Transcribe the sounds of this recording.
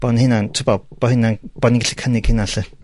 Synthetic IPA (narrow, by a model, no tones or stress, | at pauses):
b̥ɔnhɪnantʰɪbɔb̥ɔhɪnanb̥ɔniɡaɬikʰənɪɡ̥hɪnaɬə